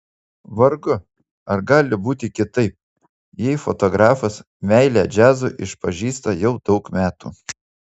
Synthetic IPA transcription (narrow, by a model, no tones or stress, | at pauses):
ʋɐɾɡʊ | ɐɾɡɑːlʲɪbuːt̪ʲɪkʲɪt̪ɐɪp̚ | jɛɪfɔt̪ɔɡɾɑːfɐs | mʲɛɪlʲæːd͡ʒʲæːzʊʔɪʃpɐʒʲiːst̪ɐjɛʊd̪ɒʊkmʲæːt̪ṵː